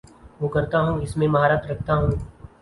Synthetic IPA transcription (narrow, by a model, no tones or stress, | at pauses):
ʋokɐɾt̪aɦũɪsmẽmɐɦaːɾaːt̪ɾɐkʰt̪aɦũː